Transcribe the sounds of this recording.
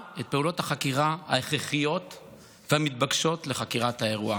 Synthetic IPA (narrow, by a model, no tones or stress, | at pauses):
e̞t̚pe̞ulo̞thaχakiʁaha̰eχʁeχijo̞t | veamit̚baɡʃo̞tle̞χakiʁathae̞ʁua